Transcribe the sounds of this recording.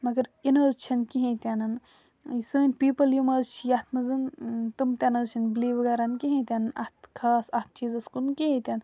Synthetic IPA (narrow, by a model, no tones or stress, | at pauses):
mɐɡɐɾinɐːzt͡ʃʰɐnkiɦĩt̪ʲanɐn | səːnʲpiːpɐljimɐːzt͡ʃʰijɐht̪ʰmɐzɨnt̪ɨmt̪ʲanɐzt͡ʃʰinbliːʋɐɡaːɾɐnkiɦẽt̪ʲanɐnɐ̰ht̪kʰaːsɐht̪̚ʰt͡ʃiːzɐskunkiɦẽt̪ʲan